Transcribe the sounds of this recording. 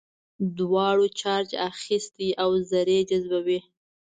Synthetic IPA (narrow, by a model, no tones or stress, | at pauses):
d̪wɑɽot͡ʃɑɾt͡ʃaxist̪iʔawzaɾed͡ʒazbawi